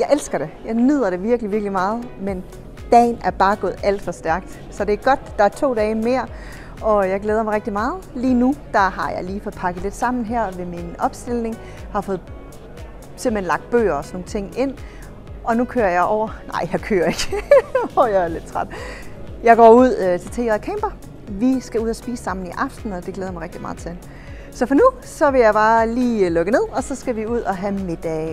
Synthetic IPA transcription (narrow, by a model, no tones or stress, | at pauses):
jɑ̈ɪʔelsɡ̥ɐɾ̥e̝jɑ̈ɪnyð̰ˠɐɾ̥e̝ʋiɐɡ̥liʋiɐɡ̥limɑ̈ːð̞̩ˠmen | d̥ɛ̰ːnæɐb̥ɑ̈ːɡ̥ɔ̽ːð̞̩ˠæl̰d̥fɒ̽sd̥æɐɡ̥̚d̥ | sɒ̽d̥e̝æɐɡ̥ɒ̽d̥d̥ɑ̈æɐt͡sʰo̝̰ːd̥ɛːɪme̝ːɐ | ɒ̽jɑ̈ɪɡ̥leːð̞ˠɐmɑ̈ʁɛɡ̥̚d̥imɑ̈ːð̩ˠliːnud̥ɑ̈hɑ̈jɑ̈ɪliːfɔ̽ð̥̩ˠpʰɑ̈ɡ̥əð̩ˠle̝d̥sɑ̈m̰n̩ɦæɐ̰ʋe̝minɒ̽b̥sd̥e̝l̰ne̝ŋ | hɑ̈fɔ̽ːð̞̩ˠ | semb̥henlɑ̈ɡ̥d̥̚b̥ø̰ːɐɒ̽snoŋt͡sʰe̝ŋ̰e̝n̰ | ɒ̽nukʰøːɐjɑ̈ɪʔɒʊ̰ɐnɑ̰̈ɪ̰jɑ̈kʰø̰ːɐe̝ɡ̥ɒjɑæle̝d̥t͡sʰʁɑd̥jɑ̈ɪɡ̥ɒ̰ːuð̞̰ˠt͡sʰe̝lt͡sʰḛːkʰɛmb̥ɐ | ʋisɡ̥æuð̰ˠɒsb̥ḭːssɑ̈m̰n̩iʔɑ̈fd̥n̩ɒ̽d̥e̝ɡ̥leːð̞ˠɐmɑ̈ʁeɡ̥̚d̥imɑ̈ːð̩ˠt͡sʰeen | sɒ̽fɒ̽nu | sɒ̽ʋe̝jɑ̈ɪb̥ɑːliːlɔ̽ɡ̥əne̝ð̰ˠɒ̽sɒ̽sɡ̥æʋiuð̞̰ˠɒ̽ɦæme̝d̥ɛː